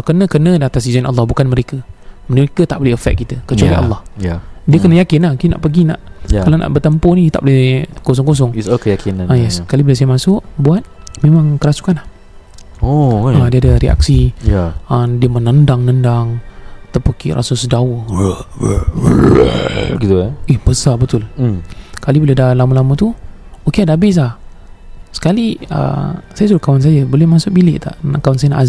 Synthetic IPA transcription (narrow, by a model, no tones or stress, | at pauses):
kənə̃kənə̃dat̪asid͡ʒanʔa̰lːɑhbukanməɾekəmnəekət̪aʔbolɪəfɛ̰k̚kːit̪əkət͡ʃualiʔa̰lːɑhjadiəkənəjakɪnahkina̰ʔpəɡina̰ʔkalana̰ʔbət̪əmpʊnĩt̪aʔbolekos̬ɔŋkos̬ɔŋskəjakinãnajɛskalibilas̬ajəmasʊʔbuat̪̚memãŋkəɾasu̥kanah | oadiadəɾia̰k̚sijaədiəmənəndaŋnəndaŋt̪əpukḭʔrʔa̰sʊsdaʊh | ɡit̪uaihb̥əsarbət̪ʊl | kalibiledalamulamut̪uokeadaabɪs̬lah | sə̥kaliə̰sajəs̬ulakawans̬ajəbolɛhmasʊʔ̚bilɪʔt̪a̰ʔnkawansajənaʔaz